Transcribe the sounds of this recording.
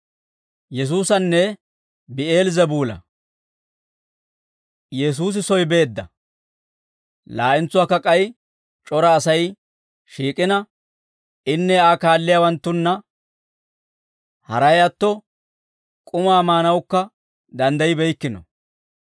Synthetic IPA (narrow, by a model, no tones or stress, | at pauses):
jɛs̬uːsɐnːɛ | bɪeːlzɐbuːlɐ̰ | jɛs̬uːs̬ɪsɔjbe̞ːd̪ːɐ | laːʔɪnt͡sːʊwaːkːɐkʼɐj | t͡ʃʼɔɾɐːsɐj | ʃiːkʼɪnɐ | ɪnːɛaːkaːlːɪjawɐnt̪ːʊnːɐ | hɐ̰ɾɐjɐt̪ːɔ | kʼʊmaːmaːnɐwʊkːɐ | d̪ɐnd̪ɐjɪbɛjkːɪnɔ̰